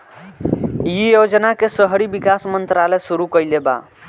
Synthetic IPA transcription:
jijod͡ʒnakesəɦɾibikasmənt̪ɾaləjsuɾukəjleba̰

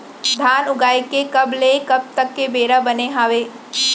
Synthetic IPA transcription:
d̪ʱaːnʊɡaːikekɐblekɐb̚t̪ɐkːebeːɾabɐneɦaːʋeː

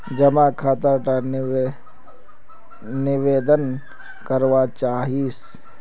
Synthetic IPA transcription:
d͡ʒɐmakʰaːt̪aʈa | nɪʋeːd̪ən | kəɾʋat͡ʃaːɦiːs

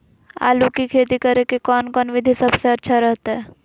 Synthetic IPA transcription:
a̰ːlukikʰeːt̪ikɐɾekekɔːnkɔːnʋɪd̪ʱisɐbseɐtːʃʰaɾəɦt̪aɦɛː

